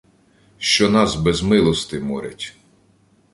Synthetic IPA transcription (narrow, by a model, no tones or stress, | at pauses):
ʃt͡ʃɔnɑzbɛzmɪlˠɔst̪ɪmɔɾʲɐ̰tʲ